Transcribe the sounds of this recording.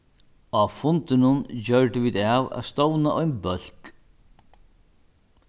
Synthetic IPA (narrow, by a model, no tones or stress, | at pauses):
afʊnt̪ɪnʊnd͡ʑœɹʈ̪ɪʋiːðaːwæ̰ːðst̪ɔwnaʔɔjnbœl̥k